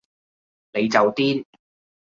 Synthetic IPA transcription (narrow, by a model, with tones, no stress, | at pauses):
le˨˧jt͡sɐ˨wt̪iː˥n